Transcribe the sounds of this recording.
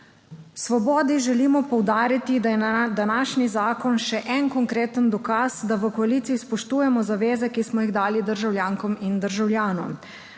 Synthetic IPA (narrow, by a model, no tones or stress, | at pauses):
sʋɔbɔːd̪iʒɛliːmɔpɔwd̪aːɾit̪id̪ajɛd̪anaːʃnizaːkɔnʃɛʔɛnkɔŋkɾeːt̪ənd̪ɔkaːzd̪aʋəkɔalit̪siːspɔʃt̪uːjɛmɔzaʋeːzɛkismɔjiɣd̪aːlid̪əɾʒawljaːŋkɔmind̪əɾʒawljaːnɔ̰m